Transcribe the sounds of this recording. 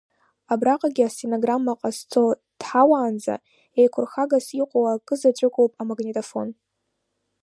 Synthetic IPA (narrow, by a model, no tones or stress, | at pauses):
abraqʼaɡʲiasenoɡramːaqʼast͡sʰo̞ | tħawaːnd͡za̰ | ejkʷʰʊrxaɡasiqʷʼowakʼɨzat͡ʃʷʼʊkʷʼowpʼamaɡnetʼofo̞̰n